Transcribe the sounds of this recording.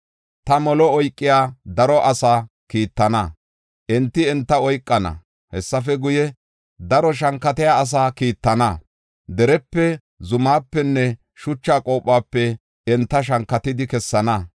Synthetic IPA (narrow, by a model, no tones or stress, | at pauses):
t̪ɐmɔlɔɔjkʼːɪjaːd̪ɐɾɔʔɐsaː | kiːt̪ːɐnɐ | ʔɛnt̪ːɪɛnt̪ːɐɔjkʼːɐnɐ̰ | hɛsːɐfɛɡʊjɛ | d̪ɐɾɔʃ̬ɐŋkːɐt̪ɛjaːs̬aːkiːt̪ːɐnɐ | d̪ɛɾɛpːɛ | zʊmaːpːɛnːɛ | ʃʊt͡ʃːaːkʼo̞ːpʼːaːpːɛ | ɛnt̪ːɐʃ̬ɐŋkːɐt̪ɪd̪ɪkɛsːɐnɐ